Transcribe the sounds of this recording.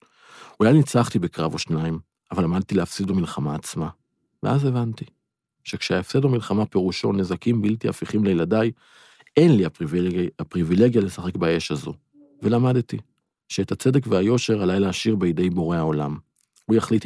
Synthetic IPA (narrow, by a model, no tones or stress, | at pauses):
ulajnit͡saχt̪ibekʁavoʃnaim | avalamad̪̚t̪ilehafsid̪bamilχamaːt͡sma | vḛaze̞vant̪i | ʃe̞kʃeaefsedomilχamape̞ʁuʃone̞zakimbiltiafiχimlejladaj | e̞nliaapʁivile̞ɡjale̞saχe̞kbae̞ʃazo | ve̞lamadti | ʃeethat͡se̞dekveajo̞ʃe̞ʁalajlaːʃiʁbeide̞jbo̞ʁe̞hao̞lam | ujaχlit